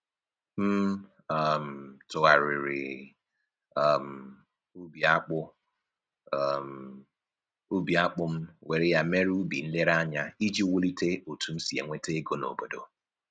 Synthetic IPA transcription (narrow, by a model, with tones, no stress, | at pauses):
m̩˦ | a˨m̩˨tʊ˨ɣa˨ɾɪ˨ɾɪ̰˨˦˨ | m̩˨ | u˦bi˨a˦k͡pʊ˦˨ | m˨ | u˦bi˨a˦k͡pʊ˦m̩˦we˨ɾɪ˦ja˦me˦ɾu˦bḭ˨n̩˦le˦ɾa˦ɲa˦i˦d͡ʒi˦wʊ˦li˦te˦o˨tu˦m̩˦si˨e˨ŋʷe˦te˦e˦ɡo˦no̰˨bo˨do̰˨